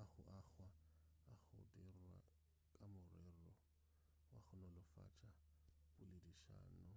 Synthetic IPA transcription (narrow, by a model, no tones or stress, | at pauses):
aχʊʔaɣwaː | ɣʊ̰dɪrwa̰ | kʼamʊrɛrɔ | wa̰χʊnɔlʊfa̰t͡ʃʼapʼʊlediʃa̰ːnʊ